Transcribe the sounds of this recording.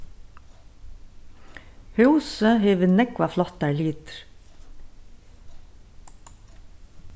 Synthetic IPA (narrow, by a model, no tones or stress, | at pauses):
hœʉsəheːʋənɛkʋɑflɔt̪æliːt̪ɾ